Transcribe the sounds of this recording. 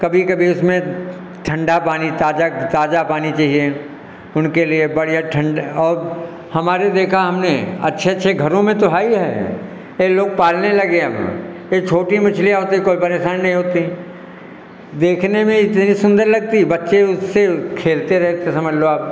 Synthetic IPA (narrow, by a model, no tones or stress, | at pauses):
kɐbʱikɐbʱiʊsmẽ | ʈʰɐ̃ɳɖapaːnit̪aːd͡ʒat̪aːd͡ʒapaːnit͡ʃaːɦie | ʊnkeliebɐɽijaʈʰə̃ɳɖɔːɾ | hɐmaːɾed̪eːkʰaɦɐmneɐ̰tːʃʰeɐtːʃʰeɡʱɐɾõmẽt̪oɦaːiɦɛ̰ː | jeloːɡ̚paːlnelɐɡeɐb̰jet͡ʃʰoːʈimɪt͡ʃʰlijaɦoːt̪ikoːipɐɾeːʃaːnːɐɦĩɦoːt̪i | d̪eːkʰnemẽɪt̪nisʊ̃nd̪əɾlɐɡ̚t̪ibɐtːʃeʊsːekʰeːlt̪eɾɛɦt̪esɐməd͡ʒloaːp̚